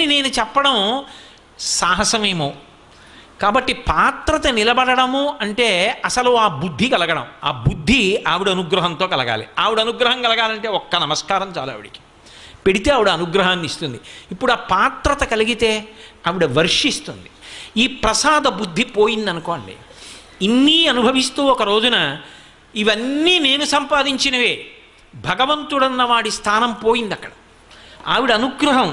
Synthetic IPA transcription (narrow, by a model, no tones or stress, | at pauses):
nine̞ːnut͡ʃɛpːɐɽɐm | saːɦɐsɐme̞ːmoː | kaːbɐʈːipaːt̪ɾɐt̪ɐnilɐbɐɽɐɽɐmuɐɳʈe̞ːɐsɐluaːbud̪ʱːikɐlɐɡɐɽɐ̰ma̰ːbud̪ʱːiɐʋiɽuɐnuɡɾɐɦɐnt̪o̞ːkɐlɐɡa̰ːlḭaːʋiɽuɐnuɡɾɐɦɐŋkɐlɐɡaːlɐɳʈe̞ːɔkːɐnɐmɐskaːɾɐmt͡ʃa̰ːla̰ːʋḭɽiki̥ | peɽit̪e̞ːɐːʋiɽuɐnuɡɾɐɦaːnːist̪und̪iipːuɽuaːpaːt̪ɾɐt̪ɐkɐliɡit̪e̞ːɐʋiɽuʋɐɾʂist̪und̪i̥iːpɾɐsaːd̪ɐbud̪ʱːipoːjind̪ɐnukoːɳɖḭ | inːiːɐnubʱɐʋist̪uːɔkɐɾo̞ːd͡ʒunɐ | iʋɐnːiːneːnusɐmpaːd̪iɲt͡ʃinɐʋeː | bʱɐɡɐʋɐnt̪uɽɐnːɐʋaːɽist̪ʰaːnɐmpo̞ːjind̪ɐkːɐɽɐ | aːʋiɽiɐnuɡɾɐɦɐm